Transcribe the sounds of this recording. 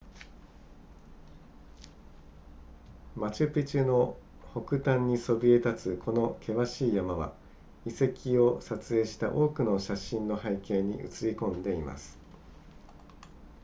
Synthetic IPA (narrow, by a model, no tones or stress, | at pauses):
mat͡ɕɨpʲit͡ɕɨno̞ | ho̞kɯ̟t̪ãɲ̟ːiso̞bʲie̞t̪at͡sɨkʰo̞no̞kʰe̞βaɕiːjamaβa̰ | ise̞kʲio̞sat͡sɨe̞ːɕi̥t̪a̰ʔo̞ːkɯ̟no̞ɕaɕĩnːo̞haikẽ̞ɲ̟iɯ̟̰t͡sɨɾʲikõ̞nd̪e̞ima̰sɨ̥